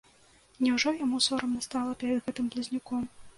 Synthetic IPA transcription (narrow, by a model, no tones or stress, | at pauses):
nʲɛwʐɔjamusɔɾɐmnɐst̪alˠɐpʲɛɾɐd̪ɣɛt̪ɨmplʲizʲnʲikɔm